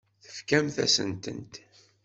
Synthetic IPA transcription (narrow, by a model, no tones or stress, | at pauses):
θə̥fkæmθæ̰sə̰nt̪ə̰nt̪